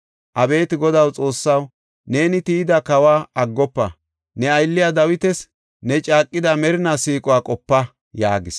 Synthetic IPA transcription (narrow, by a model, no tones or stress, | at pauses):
ʔɐbe̞ːt̪ɪɡɔd̪ɐwt͡sʼo̞ːsːɐw | ne̞ːnɪt̪iːd̪ɐkɐwaːɐɡːɔpːɐ̰ | nɛɐjlːɪjad̪ɐwɪt̪ɛs | nɛt͡ʃʼaːkʼːɪd̪ɐmɛɾɪnasiːkʼɔwaːkʼɔpːɐ | jaːɡɪs